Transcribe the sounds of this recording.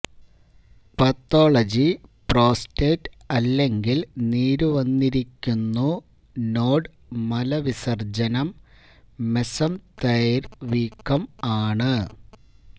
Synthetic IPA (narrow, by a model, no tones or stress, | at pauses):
pɐt̪ːo̞ːɭɐd͡ʑipro̞ːsteːtːɐlːe̞ŋɡilniːɾuʋɐnːiɾikʲːunːu | no̞ːɖ | mɐlɐʋisɐrd͡ʑɐnɐmː | esɐmt̪ɐjɐɾʋiːkːɐmaːɳɨ